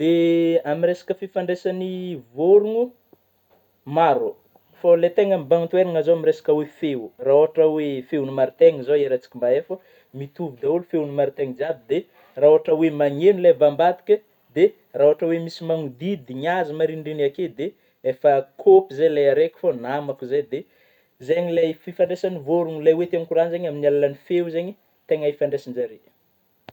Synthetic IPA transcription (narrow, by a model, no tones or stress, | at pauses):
d̪eamiresḁkəfifaɳɖ͡ʐesanivoɾuŋu | maɾo | falet̪eŋəmibaŋt̪weɾaŋazoamiɾesḁkəwefewuraoɦaʈ͡ʂəwefewnimaɾit̪eŋəzoeɾat͡si̥kimbaefə | mit̪uvud̪aulufewunimaɾit̪eŋd͡ziabid̪e | rauɦaʈ͡ʂəwemaŋenulevambad̪i̥kʲə | d̪e | rauɦaʈ͡ʂəwemisimaŋud̪id̪iɲazimaɾiɳɖ͡ʐinaked̪e | efəkʰopizajlajaɾekʲi̥fonamakuzajd̪e | zeɲilajfifaɳɖ͡ʐesanivoɾuŋlajwet̪aŋkuɾanzeɲaminialalanifewzeɲi | t̪eŋaifaɳɖ͡ʐesand͡ʒaɾe̥